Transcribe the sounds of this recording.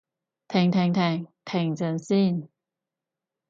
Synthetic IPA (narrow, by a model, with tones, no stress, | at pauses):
t̪ʰɛ˨˩ŋt̪ʰɛ˨˧˩ŋt̪ʰɛ˨˩ŋt̪ʰɛ˨˩ŋt͡sə˧˥nsi˥˩˨n